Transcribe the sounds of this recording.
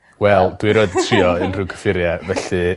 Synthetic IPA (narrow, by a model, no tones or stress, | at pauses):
wɛlˠd̥wiɾoɨdətʰriɔənrɨkʰə̥fɪɾjɛvɛɬɨ